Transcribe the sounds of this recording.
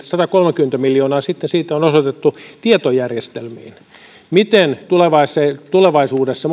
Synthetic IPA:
sɑt̪ɑkolmekyment̪æmiljoːnɑːsit̪ːensiːt̪æonosot̪et̪ːut̪iet̪ojærjest̪elmḭːn | mit̪ent̪uleʋɑisːet̪uleʋɑisuːdesːɑ

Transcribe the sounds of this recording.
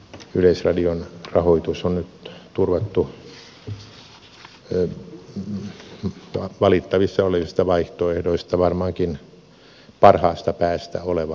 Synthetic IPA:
yleisrɑdionrɑhoit̪usonnyt̪t̪urʋɑt̪ːu | ʋɑlit̪ːɑʋisːɑoleʋist̪ɑʋɑiht̪oehdoist̪ɑʋɑrmɑŋkin | pɑrhɑːst̪ɑpæːst̪æ̰oleʋɑ

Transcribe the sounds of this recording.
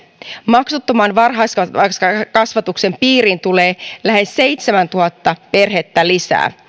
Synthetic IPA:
mɑksut̪ːomɑːnʋɑrɦɑskɑɑskɑkɑsʋɑt̪ukse̞mpiːɾint̪uleːlæhe̞sːe̞jt̪semænt̪uhɑt̪ːɑpe̞rɦet̪ːælisæ̰ː

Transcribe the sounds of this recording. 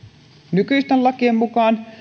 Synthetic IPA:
nykyst̪ælɑkiemːukɑːn

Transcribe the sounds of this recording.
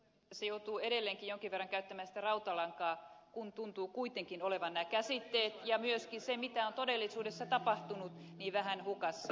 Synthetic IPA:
ɑsejout̪uːeɾelːeːŋkijjoŋkiʋerːɑŋkæyt̪ːæmænsi̥t̪ærɑut̪ɑlɑŋkɑːkunt̪unt̪uːkuit̪eŋkinoleʋɑnːæːkæsit̪ːeːt̪jɑmyøskinsemit̪æont̪odelːisuːdesːɑt̪ɑpɑht̪unut̪niːʋæhænhukɑsː

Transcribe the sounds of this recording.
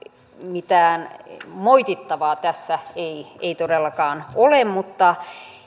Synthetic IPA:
mit̪æːnmoit̪it̪ːɑʋɑːt̪æsːæeieit̪odelːɑkɑːnolemmut̪ːɑ

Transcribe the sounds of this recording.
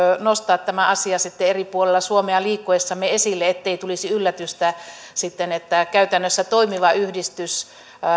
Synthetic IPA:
nost̪ɑːt̪t̪æmæʔɑsiɑsit̪ːeeripuolelːɑsuomeɑliːkːoesːɑmːeesilːeet̪ːeit̪ulisiylːæt̪yst̪æ | sit̪ːenet̪ːækæyt̪ænːøsːæt̪oimiʋɑyhdist̪ys

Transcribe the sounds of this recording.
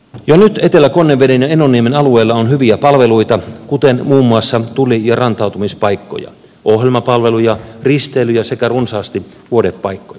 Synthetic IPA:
jonyt̪et̪elækonːeʋːedenjɑenːonːiemenɑlueːlːɑonhyʋiæpɑlʋeluit̪ɑkut̪enmuːmːuɑsːɑt̪ulijɑrɑnt̪ɑˑut̪umispɑikːo̰jɑ̰ | ʔohjelmɑpɑlʋelujɑrist̪eːlyjɑsekærunsɑːst̪iʋuodepːɑikːoj

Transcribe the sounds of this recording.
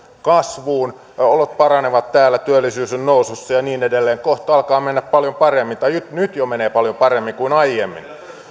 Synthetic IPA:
kɑsʋuːn | olot̪̚pɑrɑneʋɑt̪t̪æːlːˑæt̪yælːˑisyːsennoususːɑjɑniːnedelːeːŋkoht̪ɑɑlkɑːmenːæppɑljompɑremːint̪ɑjyt̪nyt̪jomeneːpɑljompɑremːiŋkuinɑijemːḭn

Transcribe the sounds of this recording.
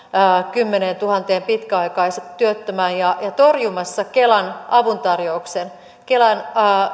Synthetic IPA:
kymːenent̪uhɑnt̪eːmpit̪kæɑikɑisɑt̪ːyøt̪ːømæːjjɑjɑt̪orjumɑsːɑkelɑnʔɑʋunt̪ɑrjouksen | kelɑnː

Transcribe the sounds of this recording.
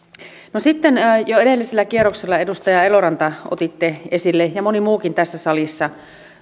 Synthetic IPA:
nosit̪ːenːjoedelːiselːækierːokselːɑedust̪ɑjɑe̞loɾɑnt̪ɑo̰t̪it̪ːeesilːejɑmonimuːkint̪æsːæsɑlisːɑ

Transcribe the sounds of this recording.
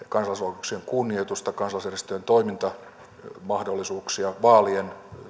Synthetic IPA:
kɑnsɑlɑslɑkuksieŋkunːiet̪ust̪ɑkɑnsɑlːˑɑsjærist̪øjent̪oimint̪ɑ | mɑhdolːisuːksiɑʋɑːlien

